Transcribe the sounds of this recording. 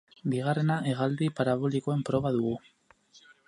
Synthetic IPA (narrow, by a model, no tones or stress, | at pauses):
biɣ̞are̞naʔe̞ɣald̪ipaɾaβo̞liko̞empɾo̞βaðuɣ̞u